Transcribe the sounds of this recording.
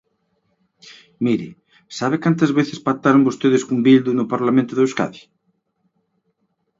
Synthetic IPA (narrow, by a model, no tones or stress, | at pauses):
miɾɪ̰ | saβ̞ekant̪ɐzβeθɪ̥spak̚t̪aɾombost̪eðɪskumbild̪unʊpaɾlamẽnt̪ʊðeska̰ði